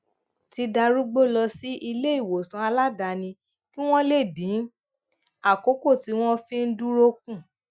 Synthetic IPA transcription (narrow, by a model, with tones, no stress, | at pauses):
ti˧da˧ɾu˦ɡ͡bo˦˨lɔ˧si˦ʔi˧le˦i˦˨wo˨sã˨˧a˧la˦da˧nĩ˧ | ki˦w̃ɔ̃˦le˦˨dĩ˨˦ | a˦˨ko˨˦ko˦˨ti˨˧w̃ɔ̃˦fĩ˦n̩˦du˦ɾo˧kũ˦˨